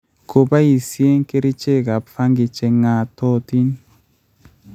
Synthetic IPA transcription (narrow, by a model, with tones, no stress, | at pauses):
ko˨ba˦i˨sje˦ŋke˦ɾi˦t͡ʃe˦˨ka˨pfa˦ŋɡi˨t͡ʃe˨ŋa˨tɔ˦ti˦n